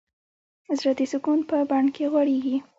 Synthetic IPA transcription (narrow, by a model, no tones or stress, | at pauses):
zɾat̪isʊkunpəbaɳkʰeɣwaɽeɡi